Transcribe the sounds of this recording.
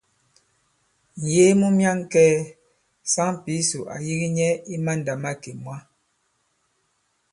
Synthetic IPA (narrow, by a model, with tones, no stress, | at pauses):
n̩˨je˦mu˦mja˦ŋkɛː˦ | sa˦ŋpi˨˦su˨ʔa̰˨ji˦ɣi˦ɲɛ˦i˦ma˦n˨da˨ma˦ke˨mwa˦